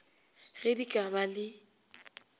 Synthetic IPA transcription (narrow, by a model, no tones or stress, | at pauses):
ɣɪdikʼabalɪ